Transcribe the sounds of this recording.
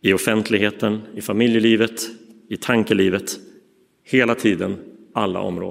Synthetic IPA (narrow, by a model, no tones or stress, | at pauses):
ɪɔfɛnt̪ʰlɪɡheːt̪ənɪfamɪljəliːvət̪ɪt̪ʰaŋkəliːvət̪ | heːlat̪ʰiːd̪ənalːa̰ʔɔ̰mɾo̰ː